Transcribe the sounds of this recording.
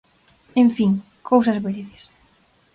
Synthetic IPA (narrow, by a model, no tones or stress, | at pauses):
eɱfiŋ | kʰows̬ɐzβeɾiðes